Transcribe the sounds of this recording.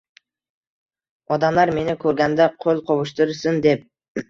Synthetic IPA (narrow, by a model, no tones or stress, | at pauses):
ɑd̪ɑmd̪ɑɾme̞nɪkʲʰɵɾɡænd̪aqʰolˠqʰoβuʃt̪ɯɾsɯnd̪e̞p̚